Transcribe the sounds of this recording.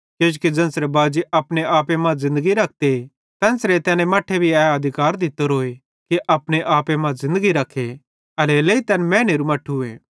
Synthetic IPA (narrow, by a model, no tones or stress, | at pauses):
keːd͡ʒkid͡ʒɐ̃nsɾebaːd͡ʒiʔɐpñeaːpemãzɪ̃nd̪əɡiɾɐk̚ʰt̪e | t̪ɛ̃ːnsɾet̪ɛːnẽmɐːʈʰebʱiɛːɐd̪ʱɪkaːɾd̪ɪt̪ːoɾoːe | kiʔɐpɽ̃eʔaːpemãzɪ̃nd̪əɡiɾɐkʰːe | ɐleleːit̪ɛnmɛ̃ːneːɾumɐʈʰːuḛː